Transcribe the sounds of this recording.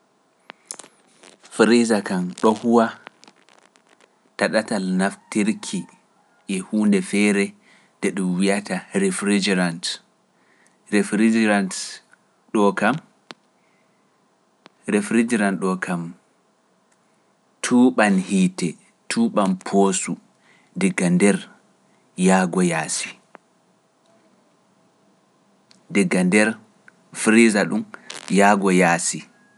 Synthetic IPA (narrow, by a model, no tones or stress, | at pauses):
fɾizakanɗɔhuwa | taɗatalnaftiɾkʰi | ʔɛhuːndɛfɛɾɛ | dɛɗumwijataɾɛfɾid͡ʒɾant | ɾefɾid͡ʒɾant | ɗɔkam | ɾefɾid͡ʒiɾanɗɔkʰam | tʰuːɓanhitɛ | tʰuːɓanpʰosu | dɛɡːandɛɾ | jaːɡɔjaːsi̥ | dɛɡːandɛɾ | fɾizaɗumjaːɡɔjaːsi